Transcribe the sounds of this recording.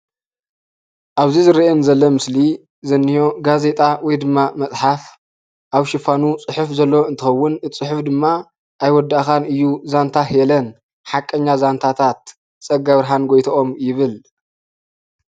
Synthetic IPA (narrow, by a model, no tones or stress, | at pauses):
ʔaβzizɨɾiʔenzɐlːomɨsli | zɐnːijoɡaze̞t̪ʼawɔjd̪ɨmːamɐt͡sʼħaf | ʔaβʃɪfanut͡sʼɨħufzɐlːoɨnt̪ʰɨxɐwːʊnt͡sʼɨħʊfd̪ɨmːa | ʔajwɔd̪aʔxanɨjːuzant̪ʰahɛlɐn | ħakʼːɐɲːazant̪ʰat̪ʰat̪ | t͡sʼɐɡaβɾɦanɡojt̪ʰɐʔomjɪβɨl